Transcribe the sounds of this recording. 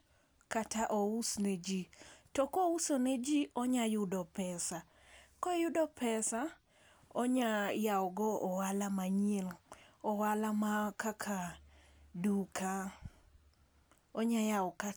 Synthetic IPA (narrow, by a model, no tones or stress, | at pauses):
kataʔɔusned͡ʒitɔkousonɛd͡ʒiɔɲajʊdɔpɛsa | kɔjʊdɔpɛsa | ɔɲajawɔɡɔɔwalamaɲiɛlɔwalamakakʰa | dukʰa | ɔɲajaɔka